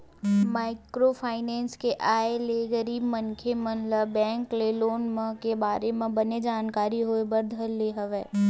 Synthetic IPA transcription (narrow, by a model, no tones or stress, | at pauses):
maːɪkɾopʰaːɪnɛ̃ːnskeʔaːeleːɡəɾiːbmənkʰemə̃nləbːɛ̃ːŋkleːloːnmə̃kebaːɾemẽbɐned͡ʒaːnkaːɾiɦoːebɐɾd̪ʱəlːeːɦəʋeː